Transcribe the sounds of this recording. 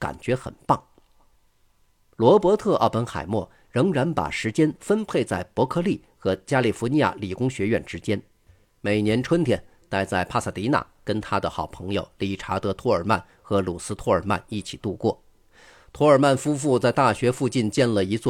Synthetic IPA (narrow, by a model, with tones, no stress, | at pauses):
ka̰˨˩nt͡ɕɥɛ˧˥xə̰˨˩npɑ˥˩ŋ | lwɔ˧˥pwɔ˧˥t̪ʰɤ˥˧ʔɑ̰˥˩ʊpə˧˥nxa̰˨˩ɪmwɔ̰˥˩ | ɻɤ˧˥ŋɻa˧˥npa̰˨˩ʂɻ̩˧˥t͡ɕjɛ˥nfə˥npʰe˥˧ɪt͡sa˥˩ɪpwɔ˧˥kʰɤ˥˧li˥˩ | xɤ˧˥t͡ɕja˥li˨˩fni˧˥ja̰˥˩li˨˩kʊ˥ŋɕɥɛ˧˥ɥɛ˥˩nʈ͡ʂɻ̩˥t͡ɕjɛ˥n | me˨˩ɪnjɛ˧˥nʈ͡ʂʰwə˥nt̪ʰjɛ̰˨˩n | t̪a˥˧ɪt͡sa˥˩ɪpʰa˥˧˩sa˥˩t̪i˧˥na̰˥˩kə˥nt̪ʰa˥d̪ə˨xɑ˨˩ʊpʰɤ˧˥ŋjo˨˧ʊli˧˥˩ʈ͡ʂʰa˧˥t̪ɤ˧˥t̪ʰwɔ˥ə˞˨˩ma̰˥˩n | xɤ˧˥lu˨˩sɹ̩˥t̪ʰwɔ˥ə˞˨˩ma̰˥˧ni˥˩t͡ɕʰi˨˩t̪u˥˧kwɔ̰˥˩ | t̪ʰwɔ˧˥ə˞˨˩ma˥˩nfu˥fu˥˧t͡sa˥˧ɪt̪a˥˩ɕɥɛ˧˥fu˥˧t͡ɕi˥˧nt͡ɕjɛ˥˩nlə˩i˧˥t͡swɔ˥˩